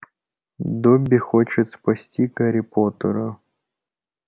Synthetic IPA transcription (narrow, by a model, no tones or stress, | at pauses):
d̪obʲːɪxot͡ɕɪt̪spɐsʲtʲikɐɾʲɪpot̪əɾʊ